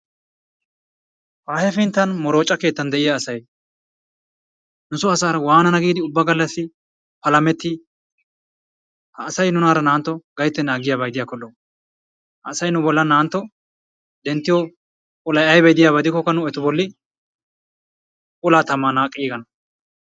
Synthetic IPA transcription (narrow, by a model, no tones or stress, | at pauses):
waːhɛfɪnt̪ːɐnmɔɾo̞ːt͡ʃʼːɐke̞ːt̪ːɐnd̪ɛʔɪjaːsɐj | nʊsɔɐsaːɾɐwaːnɐnɐɡiːd̪ɪʊbːɐɡɐlːɐsːɪ | pɐlɐmɛt̪ːɪ | hɐːsɐjnʊnaːɾɐnaːnt̪ːɔɡɐjt̪ːɛnaːɡɪjaːbɐjd̪ɪjaːkːɔlːɔ | hɐːsɐjnʊbɔlːɐnaːnt̪ːɔ | d̪ɛnt̪ːɪjɔ | kʼʊlɐjɐjbɐjd̪ɪjaːbɐd̪ɪkːɔkːɐnʊɛt̪ʊbɔlːɪ | kʼʊlaːt̪ɐmːaːnaːkʼːiːɡɐnɐ